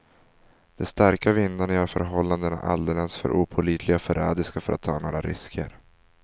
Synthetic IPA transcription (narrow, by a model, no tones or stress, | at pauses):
d̪̥ɛst̪aɾkavɪnd̪aɳəœɾfœɾɦɔlːand̪əna̰ʔa̰ld̪ɛlɛnsfœ̰ɾʔuːpʰʊliːt̪ʰlɪɡaɔfœɾɛːd̪ɪskafœɾa̰t̪ʰːɑːnoːɾaɾɪskʰə̰ɾ